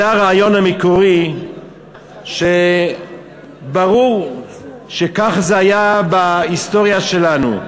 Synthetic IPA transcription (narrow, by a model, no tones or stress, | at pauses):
aʁaajo̞namikoʁi | ʃe | baʁuʁ | ʃekaχzeajabaist̪o̞ʁjaʃelanṵ